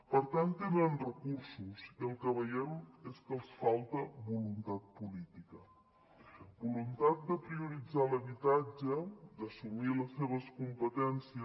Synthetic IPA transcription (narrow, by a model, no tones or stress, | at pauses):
pəɾt̪ant̪enənrəkuɾsusəlˠkəβəjɛmeskəlˠsfalˠt̪əbulunt̪at̪̚pulit̪ikə | bulunt̪at̪̚d̪əpɾiuɾid͡zaləβit̪ad͡ʒəd̪əsumiləseβ̞əskumpət̪ɛnsiə